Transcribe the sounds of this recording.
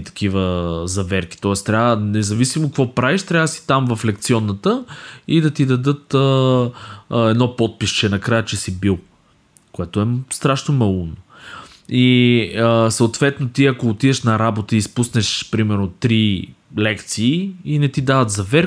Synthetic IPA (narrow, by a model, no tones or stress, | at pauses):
t̪ɐ̥k̟ivəzɐvɛɾk̟i̥t̪ɔɛst̪ɾʲavənɛzɐvisimokɐkvɔpɾaviʃt̪ɾʲavəsi̥t̪amvɐflɛkt̪siɔnːət̪əid̪ɐt̪id̪ɐd̪ɤt̪ə | ɛd̪nɔpɔt̪̚piʃt͡ʃɛnɐkɾajət͡ʃɛsibilˠ | koɛt̪oɛst̪ɾaʃnomɐlˠuno | iəsəot̪vɛt̪not̪iɐkoːt̪id̪ɛʃnɐɾabot̪əispusnɛʃpɾimɛɾnot̪ɾi | lɛkt̪siːinɛt̪id̪avət̪zɐvɛɾ